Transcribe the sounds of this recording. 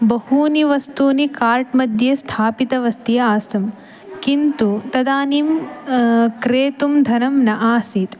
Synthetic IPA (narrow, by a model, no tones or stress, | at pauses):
bɐɦuːniʋɐst̪uːnikaːɾʈmɐd̪ʱjest̪ʰaːpit̪ɐʋɐst̪ijɐaːst̪ɐm | kint̪ut̪ɐd̪aːniːm | kɾeːt̪umd̪ʱɐnɐmnɐʔaːsiːt̪